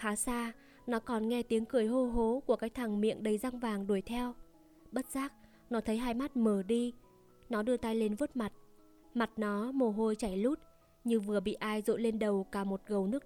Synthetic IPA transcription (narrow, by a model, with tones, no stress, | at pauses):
xaː˨˦saː˧ | nɔ˨˦kɔ˨˩nŋɛ˧t̪i˨˦əŋkɨ˨˧˩əjɦo˧ɦo˨˦ku˧˩əkaː˦˥k̚t̪ʰa˨˩ŋmḭ˧˨əŋɗə˨˩jza˧ŋvaː˨˩ŋɗu˧˩əjt̪ʰɛ˧w | ɓə˦˥t̚z̥aː˦˥k̚ | nɔ˨˦t̪ʰə˨˦jɦaː˧jma˦˥t̚məː˧˩ɗi˧ | nɔ˨˦ɗɨ˧ət̪a˧jle˧nvə˦˥t̚ma˨˩t̚ | ma˨˩t̚nɔ˨˦mo˨˩ɦo˧jt͡ɕa˧˩jlu˦˥t̚ | ɲɨ˧ŋvɨ˨˩əɓḭ˧˨ʔaː˧jzo̰˧˨le˧nɗə˨˩wkaː˧˩mo˨˩t̚ɣə˨˩wnɨ˦˥ək̚